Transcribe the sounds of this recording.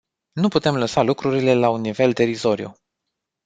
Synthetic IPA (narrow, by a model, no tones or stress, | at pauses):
nuput̪e̞mləsalukɾuɾile̞launːive̞ld̪e̞ɾizo̞ɾjṵ